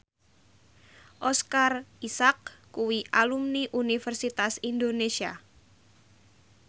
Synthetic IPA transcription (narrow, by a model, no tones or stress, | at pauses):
ʔɔskarisak̚ːuwiʔalumniʔunifərsit̪asind̪onesia